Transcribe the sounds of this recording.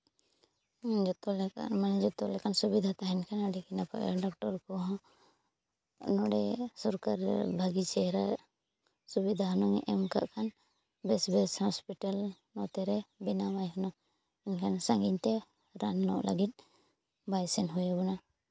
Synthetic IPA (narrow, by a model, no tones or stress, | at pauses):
d͡ʒɔt̪ɔlɛmand͡ʒɔt̪ɔlɛkʰansubid̪ʱat̪aɦɛnkʰanaɖɛkinapa̰ʔɛ̰ɖɔk̚ʈɔɾkɔɦɔ̃ | nɔɽɛ̰sɔɾkaɾ̰bʱaɡit͡ʃɛhɾa | subid̪ʱaɦɔnɔŋɛʔɛmka̰ʔkʰan | bɛsbɛshɔspiʈal | nɔt̪ɛɾɛbinamajɦɔnɔ | inkʰansaŋɡiɲt̪ɛ | ɾanːɔ̰ʔla̰ɡit̪̚ | bajsɛnɦujabɔna